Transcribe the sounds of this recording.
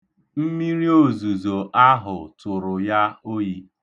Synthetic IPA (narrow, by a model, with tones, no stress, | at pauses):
m̩˦mi˦ɾi˦o˦˨zu˨zo˨ʔa˦ɦʊ˨tʊ˨ɾʊ˨ja˦o˦ji˦